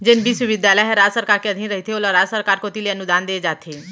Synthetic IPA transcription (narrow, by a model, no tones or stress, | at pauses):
d͡ʒɪnbʱiːsʊʋɪd̪jaːləɦɛɾaːd͡ʒsəɾkaːɾkeəd̪ʱinɾəɦit̪ʰeoːlaɾaːsəɾkaːɾkoːt̪ileənʊd̪aːnd̪eːd͡ʒaːt̪ʰeː